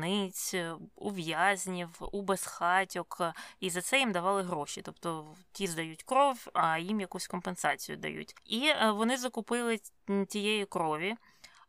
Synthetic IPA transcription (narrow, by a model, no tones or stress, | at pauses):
nɪt͡sʲṵʋjazʲnʲiwubesxɑtʲɔkizɐt̪sɛjimd̪ɐʋɑlˠɪɦɾɔʃit̪ɔpt̪ɔtʲizd̪ɐjutʲkɾɔʋʲɐjimjɐkusʲkɔmpensɑt͡sʲijʊ̰d̪ɐ̰jṵtʲiʋɔnɪzɐkʊpɪlˠɪ | tʲijɛjikɾɔʋʲi